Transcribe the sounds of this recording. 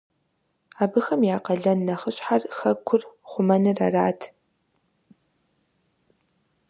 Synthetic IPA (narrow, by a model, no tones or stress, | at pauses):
aːbɨxɐmjaːqɐɮɐnːɐχəɕʼħarxɐkʷʰʊrχʷʊmɐnɨrɐ̰raːtʰ